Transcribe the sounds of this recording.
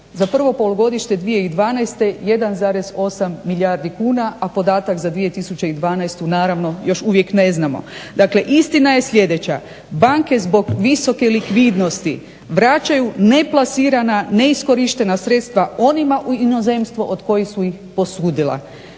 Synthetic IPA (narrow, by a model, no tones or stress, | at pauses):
zapr̩ʋo̞po̞loɡo̞d̪iʃɲe̞d̪ʋije̞id̪ʋaːnajst̪e̞je̞d̪anzaːɾe̞zo̞samːiʎʲjaːɾd̪ikuːnaapo̞d̪aːt̪akzad̪ʋije̞t̪isut͡ɕeid̪ʋaːnajst̪unaːɾaʋno̞jo̞ʃuʋje̞kne̞znamo̰d̪akle̞ʔist̪inaje̞sʎʲe̞d̪e̞t͡ɕa̰ | baŋke̞zbo̞ɡʋiso̞ke̞likʋid̪no̞st̪i | ʋɾat͡ɕajune̞plˠasiːɾanane̞isko̞ɾiʃt̪e̞nasɾe̞t̪st̪ʋao̞nimaʔuinoze̞mst̪ʋoʔod̪ko̞jisuixpo̞suːd̪ila̰